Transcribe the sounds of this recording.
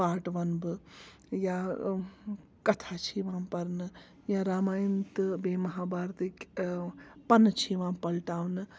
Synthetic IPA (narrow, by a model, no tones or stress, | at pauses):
paːɾʈʋɐnbɨ | jã | kɐt̪ʰat͡ʃʰiʋãːpɐɾnɨ | jãɾaːmaːjɐnt̪ɨbeːmɐɦaːbaːɾt̪ik | pɐnːɨt͡ʃʰiʋãːpɐlʈaːwnɨ